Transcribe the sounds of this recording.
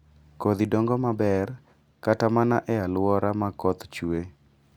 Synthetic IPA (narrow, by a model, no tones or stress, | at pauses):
kod̪idoŋɡɔmabɛr | katamanaʔɛalʊwɔɾamakɔt̪t͡ʃwe